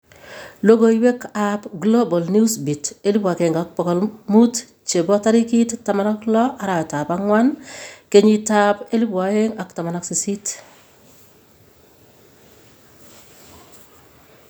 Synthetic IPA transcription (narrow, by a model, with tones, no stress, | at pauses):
lo˦ɡo˨iwe˦kapɡlo˦bɔ˨lni˦sbi˨te˦li˦pwa˨kɛ˨ŋɡak̚pɔ˨kɔ˨lmut | t͡ʃe˨bɔ˦ta˦ɾi˦ki˦ttːa˨ma˨na˦klɔ˦ʔa˨ɾa˨jɔ˨ta˨paŋwa˦nke˨ɲitape˦li˦pwaje˦ŋakta˨ma˨naksi˨si˦t